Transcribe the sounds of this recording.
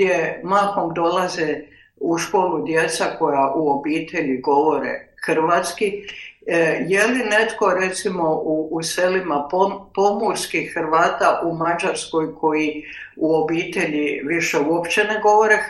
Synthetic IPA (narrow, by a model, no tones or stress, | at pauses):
jemaxo̞md̪o̞laze | uʃko̞ːlˠud̪je̞t̪sako̞jaʔuo̞biːt̪e̞ʎiɡo̞ʋo̞ɾḛxɾ̩ʋat̪ski | je̞line̞t̪ko̞ɾet̪simo̞uːse̞limapopo̞muɾskixxɾʋaːt̪aʔumad͡ʒaɾsko̞jkʰo̞ji | uo̞biːt̪e̞ʎiʋiʃeuopt͡ɕeneɡo̞ʋo̞ɾe